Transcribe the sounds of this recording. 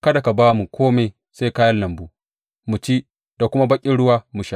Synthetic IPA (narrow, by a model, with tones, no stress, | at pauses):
kɐ˦da˨ka˨baː˦mu˨kʷʰoː˦me˨j | se˦kaː˦jɐ˦nlːɐ˨mbuː˦ | mu˨t͡ʃi˦ | d̥a˨kʷʊ˦ma˦bɐ˦kʲʼɪ˦ɽʊ˦waː˦mu˨ʃa˦˨